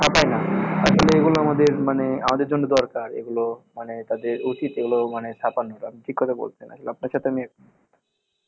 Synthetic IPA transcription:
ãpajnaa̰ʃʰoleeɡuloamad̪eɾmanea̰mad̪eɾd͡ʒonːud̪ɔɾkaɾḛɡulomanet̪ad̪eɾot͡ʃit̪eɡulomanest̪ʰapanɦɔloamiʈʰikːɔt̪ʰabo̰lt̪ena̰ʃʰoleapnaɾʃat̪ʰeamiak | t̪ʰ

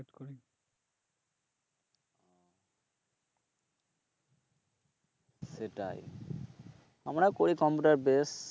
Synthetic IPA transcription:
eʈkoɾi | seʈa̰j | amɾakoɾikɔmpuʈaɾbes

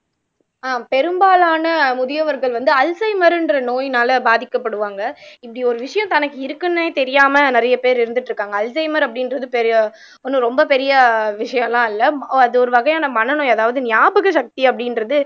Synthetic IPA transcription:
aːpɛɾɯmbaːlaːnɐmʊðɪjɐʋɐɾɣɐɭʋɐnd̪ɯɐlsɐɪmɐɾɪndrɐnoːjnaːlɐbaːðɪkːɐpːɐɽɯʋaːŋɡɐɪpːɐɽiɔɾɯʋɪʂɐjɐ̃t̪ɐnɐkːɯɪɾɯkːɯneːt̪ɛɾɪjaːmɐnɪɾɐjɐpeːɾɪɾɯnd̪ɯʈːɾɯkːaːŋɡɐːlsɐɪmɐɾɐpːɐɽɪnɾɐðɯpɛɾɪjɐ | ɔnːɯ̃ɾɔmbɐpɛɾɪjɐʋɪʂɐjɐ̃mlãːɪlːɐɐðɯɔɾɯʋɐɣɐjaːnɐpɐnːɐnõɐðaːʋɐðɯnɪjaːbɯɣɐʃɐk̚t̪iɐpːɐɽɪnɾɐðɯ

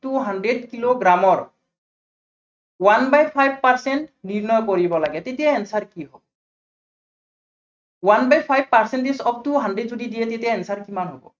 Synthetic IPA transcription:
tuɦandɹedkiloɡɹamɔɹ | wanbajpʰajb̚paɹsɛntniɹnɔjkoɹibɔlaɡɛtetijaɛnsaɹkiɦobɔ | wanbajpʰajb̚paɹsɛndisɔp̚tuɦandɹedzodidiɛtetijaɛnsaɹkimanɦobɔ̰

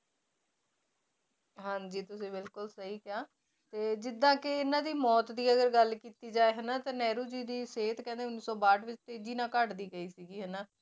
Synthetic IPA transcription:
ɦãːɲd͡ʒiːt̪ʊsĩːbɪlkʊlsəɦiːkɪaː | t̪eːd͡ʒɪd̪ãːkeɪnãːd̪iːmɔːt̪d̪iːəɡəɾɡəlkiːt̪iːd͡ʒaːeːɦənaːt̪ãːnɛːɾuːd͡ʒiːd̪iːseːt̪kɛ̃ːnd̪eːʊnːiːsɔːbaːʈʋɪt͡ʃt̪eːd͡ʒiːnãːkəʈd̪iːɡəiːsiːɡiːɦənaː

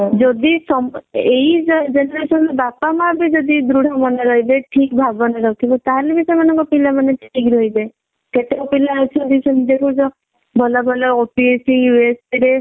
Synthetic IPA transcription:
d͡ʒɔd̪isɔmeɦid͡ʒɔd͡ʒenɔɾesɔnɔbapamãabid͡ʒɔd̪id̪ɾuɽ̤ʱamɔneɾɔɦibeʈʰik̚bʱabɔneɾɔkʰibɔt̪aɦalebisemanɔŋkɔpilamaneʈʰikɾɔɦibe | keʈeupilat͡ʃʰɔd̪isɔnd̪ekʰud͡ʒɔ | bʱɔlabʱɔlaopiesiwespiɾe

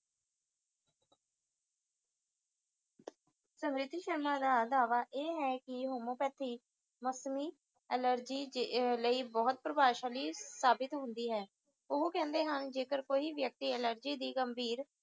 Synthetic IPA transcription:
səmɾɪt̪ːiʃəɾmaːd̪aːd̪aːʋaːʔeːɦɛːkɪɦoːmõːpɛːt̪ʰiː | məsmiː | ɛləɾd͡ʒiːləiːbɔːt̪̚pɾəbaːʃaːliːsaːbɪt̪ɦʊ̃nd̪iːɦɛː | ʊɦkɛ̃ːnd̪eːɦənd͡ʒeːkəɾkoːiːʋjək̚t̪iːɛləɾd͡ʒiːd̪iːɡəmbʱiːɾ

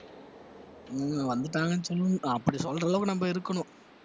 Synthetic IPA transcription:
ʋɐnd̪ɯʈːaːŋɡɐnsɔlːɯɐpːɐɽisɔlrɐlɐʋkːɯnɐmbɐɪɾɯkːɐɳʊ̃

